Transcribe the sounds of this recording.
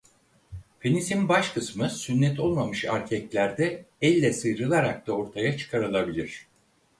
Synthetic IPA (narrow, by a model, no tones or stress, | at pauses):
fenisinbaʃkʰɯsmɯsynːɛt̪ʰo̞lˠmamɯʃaɾcʰɛclʲæɾd̪ɛɛlʲːɛsɯjɾɯlˠaɾak̚d̪ao̞ɾt̪ʰajat͡ʃʰɯ̥kʰaɾɯlˠabilʲiɾ̥